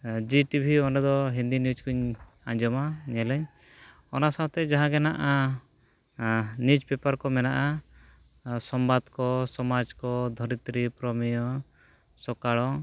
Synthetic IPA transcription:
d͡ʒiʈibʱiɔnɔd̪ɔɦind̪injud͡ʒkuɲ | aɲd͡ʒɔmaɲɛlɛɲ | ɔnasawt̪ɛd͡ʒaɦãɡɛnaʔa | nid͡ʒpɛpaɾkɔmɛnaʔa | sɔmbad̪kɔsɔmad͡ʒkɔd̪ʱɔɾit̪ɾipɾɔmijɔ | sɔkaɭɔ

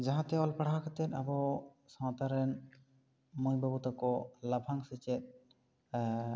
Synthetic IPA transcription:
d͡ʒaɦãt̪eɔlpaɽɦakʰat̪et̪abɔ | sɔmat̪aɾɛn | mojbabut̪akɔlabʱaŋsit͡ʃet̪̚

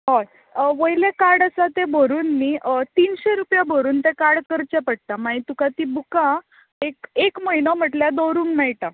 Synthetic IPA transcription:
ɦoj | ʋəjlekaɽəsat̪ebʱoɾuːnːit̪iːnɕeɾupjabʱoɾuːnt̪ẽkaɽkəɾt͡ɕepəɽ̚t̪amaɦit̪ukat̪ibukã | ekekməɦinɔm̤əʈljad̪oɾuːnmɛɭʈa

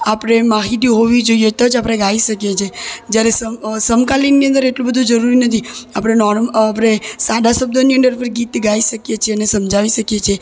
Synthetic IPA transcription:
apɽemaɦit̪iɦoʋid͡ʒoijet̪əd͡ʒapɽeɡaiʃəkjet͡ʃʰed͡ʒjaɾesəsəmkalinːiə̃nd̪əɾeʈlubəd̪ʱũd͡ʒəɾuɾinət̪ʰiapɽenɔɾmap̬ɽesad̪ʱasəb̚d̪ʱoniənɖəɾpəɾɡit̪ɡaiʃəkjet͡ʃʰeənesəmd͡ʒʱaʋiʃəkjet͡ʃʰe

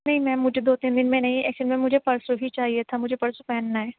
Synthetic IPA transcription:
nɐɦĩmɛ̃ːmʊd͡ʒʱed̪oːt̪ĩːnd̪ɪnmẽnɐɦĩɛ̰ːkt͡ʃəlmẽmʊd͡ʒʱepɐɾsoɦit͡ʃaːɦiet̪ʰamʊd͡ʒʱepɐɾsopɛɦnːaɦɛː

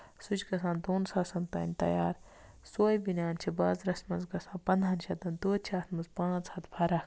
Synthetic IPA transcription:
sut͡ʃʲɡɐsãːnd̪oːnsaːsɐnt̪ɐ̰ːnʲt̪ɐ̰jaːɾ | soːjbinʲaːnt͡ʃʰibaːzɾɐsmɐnzɡɐsãːnpɐnd̪ʱɦɐnʃʰɐt̪ɐnd̪oːt͡ʃʰaːt̪mɐzpãːt͡shɐt̪bʰɐɾɐk

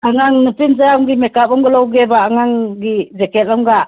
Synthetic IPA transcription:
aŋaŋnɯpinzajawŋɡimɛkap̚ɔŋɡalɔwɡebaaŋaŋɡizekɛt̚ɔŋɡa

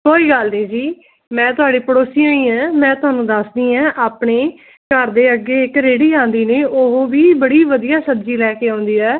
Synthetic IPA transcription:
koːiːɡəlneːd͡ʒiː | mɛ̃ːt̪ʊɦaːɖiːpəɽoːsijãːĩːɛ̃ːmɛ̃ːt̪ʊɦaːnũːd̪əsd̪iːɛ̃ːʔaːpɳeː | kəɾd̪eːəɡːeːɪkɾeːɽiːãːnd̪iːneːʔʊɦoːʋiːbəɽiːʋəd̪ijaːsəbd͡ʒiːlɛːkeːãːnd̪iːɛː

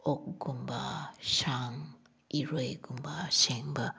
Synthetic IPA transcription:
ok̚ɡumbaʃaŋ | iɾojɡumbaseŋba

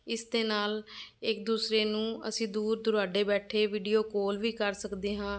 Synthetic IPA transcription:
ɪsd̪eːnaːlɪk̚d̪uːsɾeːnũːə̰sĩːd̪uːɾd̪ʊɾaːɖeːbɛːʈʰeːʋiːɖijoːkoːlʋiːkəɾsəkd̪eːɦãː

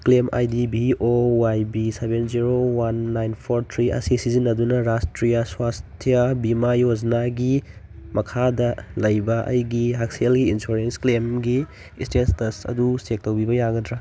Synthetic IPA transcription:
klema̰jdibiowajbisebenziɾowanːajnpʰoɾt̪ʰɾiɐ̰sisizinɐdunɐɾastɾijaswastʰijabimajoznaɡi | mɐkʰadɐlɐjbɐʔɐ̰jɡiɦaksielɡiinsuɾensklemɡi | istenstɐsɐ̰dusek̚towbibɐjaɡɐdɾa

